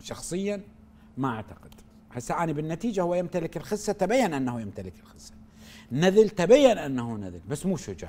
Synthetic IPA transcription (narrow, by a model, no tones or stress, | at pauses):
ʃɑxsˤɨjːa | maʔaʕt̪aqɪd̪̥ | ħasːaʔanibɪnːat̪iːd͡ʒahʊwːajɪmt̪alɪkɪlxɪsːat̪abajːanʔanːahujɪmt̪alɪkɪlxɪsːḁ | naðɪlt̪abajːanʔanːahunaðɪlbasːmuːʃʊd͡ʒa̰ːʕ